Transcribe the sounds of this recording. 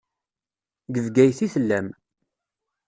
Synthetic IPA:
ɡəvɡæjθiθəlːæm

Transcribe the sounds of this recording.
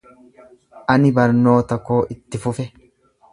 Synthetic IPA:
ʔɐnɪbɐɾno̞ːt̪ɐkːo̞ːʔɪt̪ːɪfʊfɛ

